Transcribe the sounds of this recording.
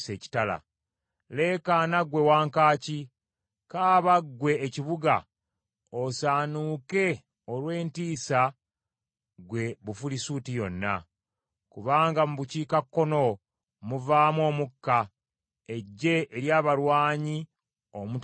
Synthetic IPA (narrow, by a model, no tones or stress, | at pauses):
seːci̥tala̰ | le̞ːkaːnaɡwe̞waːŋkaːci | kaːβaɡwe̞ːciβuɡa | osaːnuːke̞ | olwe̞ːntiːsa | ɡwe̞βufulisuːtijo̞nːa̰ | kuβaːŋɡamuβuciːkakːo̞no̞ | muvaːmwo̞ːmukːa | e̞ɟːe̞ʔːɾjaːβalwaːɲi | omut